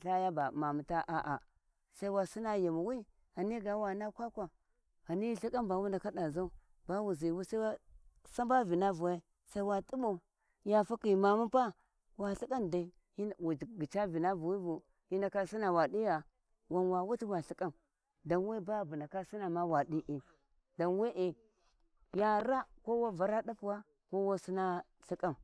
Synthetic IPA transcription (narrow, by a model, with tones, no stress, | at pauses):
ɬa˦ja˦ba˨ma˨mu˨ta˦ʔa˨ʔa˨ | sa˦i˦wa˨si˦na˦˨ja˨mu˨wi˦ | a˨ni˦ɡa˨˦wa˨na˦kʷa˦kʷa˨ | a˨ni˦ɬi˦ka˦mba˨wu˦nda˨ka˦da˨za˦u˦ | ba˦wu˨zi˨wu˦sa˦wa˦sa˦ba˦vi˨na˦vu˨wa˦ | sa˦i˦wa˦tʼu˦bo˨ | ja˨fa˦ki˨ma˨mu˦pa˦ | wa˨ɬi˦kʼa˦nda˨i˦ | i˦˨wu˨d͡ʒɡi˨t͡ʃa˦vi˨na˦vu˨wi˦vu˨ | i˦nda˨ka˦si˦na˨wa˨ɗi˦ja˨ | wa˨nwa˨wu˦ti˦wa˨ɬi˦ka˦m | da˨nwe˦ba˦˨bu˨na˨ka˦si˦na˨ma˦wa˨di˦ʔi˨ | da˨nwe˦ʔe˨ | ja˨ɾa˦ko˦wa˦va˨ɾa˦ɗa˦pwa˦ | ko˦wa˦si˦na˦ | ɬi˦kʼa˦m